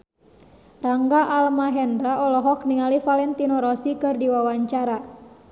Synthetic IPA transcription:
raŋɡaʔalmaɦɛndɾaʔɔlɔɦɔk̚niŋalifalɛnt̪inɔɾɔsikɨrdiwawaɲt͡ʃaɾa

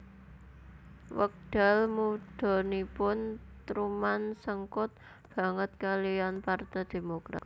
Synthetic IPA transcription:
wək̚ɖ̥a̤lmuɖ̥o̤nipʊnt̪ɾumansəŋkʊt̪̚ | b̥ä̤ŋət̪̚kalijanpart̪ɛjd̪̥e̤mokɾa̰t̪̚

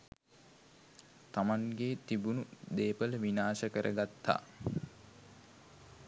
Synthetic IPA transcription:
t̪amaŋɡeːt̪ibunud̪eːpələʋinaːsəkəɾʔəɡat̪ːa̰ː

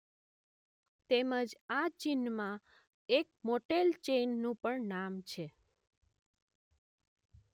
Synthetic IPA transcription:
t̪eməd͡ʒat͡ʃinmã | ek̚moʈelt͡ʃenːũpəɳnamt͡ʃʰe

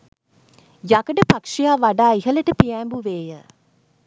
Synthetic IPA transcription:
jakəʈəpakʂijaːʋaɖaːiɦələʈəpiɛːmbuʋeːjə

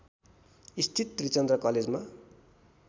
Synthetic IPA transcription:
ist̪ʰit̪ːrit͡sʌnd̪rʌkʌled͡zma

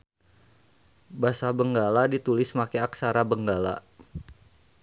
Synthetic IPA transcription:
basabəŋɡaladit̪ulɪsmakeaksaɾabəŋɡala̰

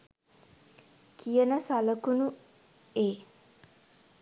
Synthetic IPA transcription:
kʰijənəsaləkunu | eː

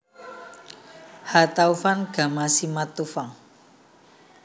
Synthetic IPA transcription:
hat̪aufanɡ̥a̤masimat̪ufaŋ

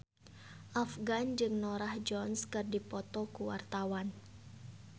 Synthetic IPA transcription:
ʔafɡand͡ʒɨŋnoɾahd͡ʒɔnskɨrdipɔt̪ɔkuwa̰rt̪awan

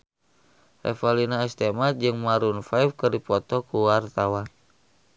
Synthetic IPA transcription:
rɛ̰falinaɛst̪ɛmat̪̚d͡ʒɨŋmaɾunfaifkɨrdipɔt̪ɔkuwart̪awan

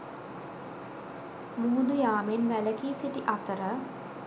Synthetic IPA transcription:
muːd̪ujaːmenʋæləkiːsiʈiʔat̪əɾə

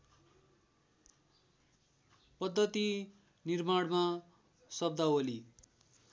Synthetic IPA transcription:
pʌd̪ʱːʌt̪i | nirmaɽma | sʌb̚d̪aoli

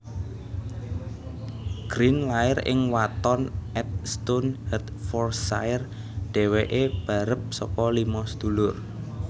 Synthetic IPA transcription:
ɡ̥ɾinlaɪrɪ̰ŋwat̪ɔnʔɛt̪̚st̪onhɛt̪fɔrsa̰ɪr | ɖ̥e̤weʔeb̥a̤ɾəp̚sɔ̰kɔlimɔsd̪̥ṳlʊr

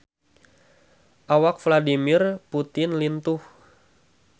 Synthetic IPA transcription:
ʔawakfladimirput̪ɪnlint̪uh

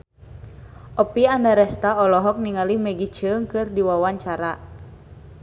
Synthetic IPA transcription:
ʔɔpiandaɾɛst̪aɔlɔɦɔk̚niŋalimɛɡit͡ʃəŋkɨrdiwawaɲt͡ʃaɾa

